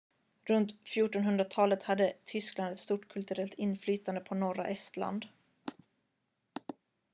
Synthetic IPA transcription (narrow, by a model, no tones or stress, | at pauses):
ɾɵnt̪fjuːʈɔnɦɵnd̪ɾat̪ʰɑːlət̪had̪ːət̪ʰʏskland̪ɛt̪st̪uːʈkʰɵlt̪ɵɾɛlt̪ɪnːflyːt̪and̪əpʰɔnɔɾa̰ʔɛst̪la̰nd̪